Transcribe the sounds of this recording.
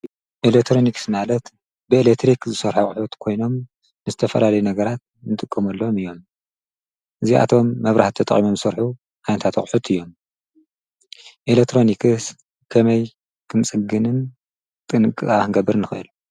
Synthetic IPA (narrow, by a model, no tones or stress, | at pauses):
ʔelek̚t̪ʰɾo̞niksmalɐt̪ | bɨelekt̪ɾikzɨsɐɾħuχʼʊħut̪kʰo̞jno̞m | nɨzɨt̪ʰɐfɐlalɐjunɐɡɐɾat̪̚ | nɨt̪ʼɨkʼːɐmɐlːomɨjːo̞m | ʔɨziʔa̰t̪ʰo̞mːɐβɾʔa̰ħt̪t̪ʰɐt̪ʼɐ̰χʼimomzɨsɐɾħu | ʔanɐt̪ʰat̪χʼħut̪ʰɨjːo̞m | ʔelek̚t̪ʰɾo̞nikʰɨs | kʰɐmɐj | kʰɨmt͡sʼɨɡɨnɨn | t̪ʼɨnɨkʼɨsʼaɨnɡɐbɨɾnɨxɨɨl